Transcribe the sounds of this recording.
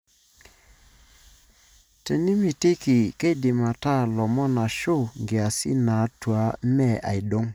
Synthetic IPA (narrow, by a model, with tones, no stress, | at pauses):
te˨ni˦mi˨ti˦ki˨ke˦dɪ˨ma˨ta˦˨lɔ˨mɔ˦na˨ʃo˦˨ŋɡe˨a˨sḭ˦na˨˦twa˨˦mɛ˦˨a̰˨i˨do˦ŋ